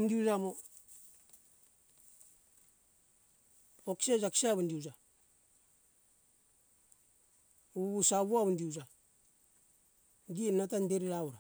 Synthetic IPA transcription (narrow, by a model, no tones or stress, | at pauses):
ndiud͡ʒamo | oksed͡ʒaki̥saβundiud͡ʒa | uβusaβuaβundiud͡ʒa | ɡinatandeɾiɾauɾa